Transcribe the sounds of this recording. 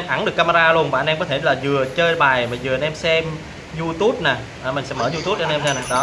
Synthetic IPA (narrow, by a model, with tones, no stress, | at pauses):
mʔa˧˦nɗɨ˨˩əkːaː˧ma˧ɾaː˧lu˧ənɓa̰ː˧˨˩nɛ˧mkɔ˨˦t̪ʰe˧˩laː˨˩zɨ˨˩ət͡ɕəː˧jɓaː˨˩jmaː˨˩zɨ˨˩ʔa˧˩nʔɛ˧msɛ˧m | zu˧t̪u˦˥p̚na˨˩ | ʔəː˨˩mï̟˨˩sɛ̰˧˥məː˧˩˦zu˧t̪u˦˥p̚ʔa˧nʔɛ˧mzaː˧naː˨˩ɗɔ˨˦